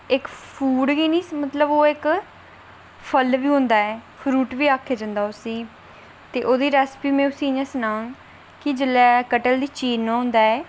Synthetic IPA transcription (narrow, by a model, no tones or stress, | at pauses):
ɪkpʰuːɖɡiːniːsmət̪ləboːɪk | pʰəlʋiːɦʊ̃nd̪aːɛːpʰɾuːʈʋiːaːkʰːeːd͡ʒãːnd̪aːʊsĩː | t̪eːʔoːd̪iːɾɛːspiːmɛ̃ːʊsĩːɪɲãːsənãːŋɡ | kɪd͡ʒəlɛːkəʈəld̪iːt͡ʃiːnːãːɦʊ̃nd̪aːɛː